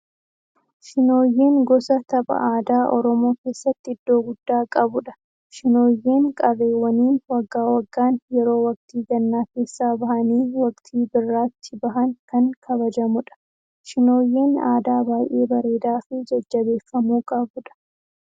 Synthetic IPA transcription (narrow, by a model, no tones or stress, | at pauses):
ʃɪno̞ːjːe̞ːŋɡɔsɐt̪ɐbɐ̰ʔaːd̪aːʔɔɾɔmo̞ːke̞ːsːɐt̪ːɪɪd̪ːo̞ːɡʊd̪̥ːaːkʼɐbʊᶑɐ̥ | ʃɪno̞ːjːe̞ːŋkʼɐre̞ːwːɐniːnwɐɡːaːwɐɡːaːnjɛɾo̞ːwɐk̚t̪iːɡɐnːaːke̞ːsːaːbɐhɐniːwɐkt̪ʰiːbɪrːaːt̪ːɪbɐɦɐŋkɐŋkʰɐbɐd͡ʒɐmʊᶑɐ̥ | ʃɪno̞ːjːe̞ːna̰ːd̪aːbaːjʔe̞̰ːbɐɾe̞ːd̪aːfɪd͡ʒɐd͡ʒːɐbe̞ːfːɐmuːkʼɐbʊᶑɐ̥